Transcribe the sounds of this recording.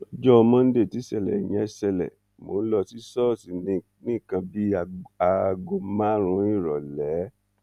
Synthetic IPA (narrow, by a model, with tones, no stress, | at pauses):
ɔ˦d͡ʒɔ˦ɔ˧mã˦˧n̩˦de˦˨ti˨˦sɛ˨lɛ̰˨ḭ˨j̃ɛ̃˨˧˨sɛ˧lɛ̰˨ | mo˨˦n̩˦lɔ˧si˦sɔ˦˨si˨˦ | nĩ˦˨kã˧bi˦a˧ɡo˧mã˦ɾ̃ũ˧˦i˦˨ɾɔ˨lɛ˨˦